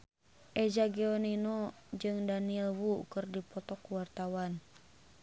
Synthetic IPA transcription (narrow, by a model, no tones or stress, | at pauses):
ʔɛd͡ʒaɡɛɔnino | d͡ʒɨŋdanilwukɨrdipɔt̪ɔkuwart̪awan